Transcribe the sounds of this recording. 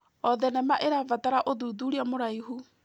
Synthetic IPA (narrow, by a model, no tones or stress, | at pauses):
ɔðɛnɛmaʔeɾavataɾaʔoðuːðuɾiamoɾaiɦu